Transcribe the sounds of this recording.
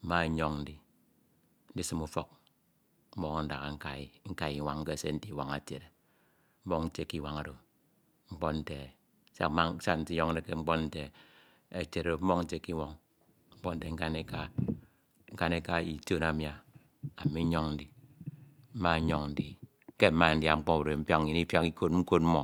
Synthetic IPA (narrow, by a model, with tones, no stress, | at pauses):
m̩˦ma˦˨˦ɲɔ˦ŋn̩˦di˨ | n̩˦di˦sɨ˦mu˦fo˦k̚ | m̩˦mɔ˦ŋa˦n̩˦da˨ɣa˨ŋ̩˦ka˨i˨ŋ̩˦ka˦˨ji˨wa˦ŋ̩˦ke˦˨se˦n̩˦ti˦˨wa˨ŋa˨te˨ɾe˨ | m̩˦bɔ˦ŋn̩˦te˦ki˦wa˦ŋa˨do˨ | ŋ͡m̩˦k͡pɔ˦tn̩˦te˨˦ | sa̰˦˨˦ma˦sa˦n̩˦ti˦ɲɔ˦ŋ˦e˦ke˦ŋ͡m̩˦k͡pɔ˦n̩˦te˨ | e˨t͡ʃe˨ɾo˨m̩˦bɔ˦ŋn̩˦t͡ʃe˦kːi˦wɔ˦ŋ | ŋ͡m̩˦k͡pɔ˦n̩˦te˨ŋ̩˦ka˦ne˦ka˦ | ŋ̩˦ka˦ne˦ka˦i˨to˦na˨mja˨ | a˨mi˦ɲɔ˦ŋn̩˦di˨ | m̩˦ma˦ɲɔ˦ŋn̩˦di˨˦ | ke˦m̩˦ma˦˨n̩˦dja˨ŋ͡m̩˦k͡pɔ˦u˨ɾe˨m̩˦pja˦kɲi˨ni˦fja˦ki˦ko˦t̚ŋ͡m̩˦ko˦t̚m̩˦mɔ˨